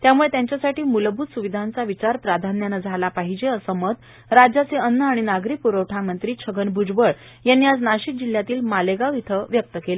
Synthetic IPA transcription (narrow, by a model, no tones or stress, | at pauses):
t̪jamuɭet̪jaɲt͡ɕjasaʈiːmulbʱuːsuʋid̪ʱant͡saʋit͡ɕaɾpɾad̪ʱanjanəd͡zʱalapaɦid͡ʑeəsəmət̪̚ | ɾad͡ʑat͡seənːəaɽ̃inaɡɾiːk̚puɾəwʈʰamənt̪ɾiːt͡ɕʰəɡənbʱud͡zbəɭ | janːiːad͡znaɕik̚d͡ʑil̤jat̪iːlmaleɡait̪ʰəʋjək̚t̪əkele